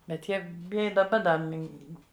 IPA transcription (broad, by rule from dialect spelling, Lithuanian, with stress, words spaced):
bʲɛt ˈjiɛ p ˈɪ dɐˈbɐ dɐ ˈmʲɪn